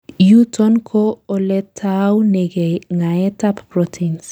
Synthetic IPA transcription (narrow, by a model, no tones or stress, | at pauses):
jutɔnkʰoolɛtʰawneɡeŋaetappɾɔtʰins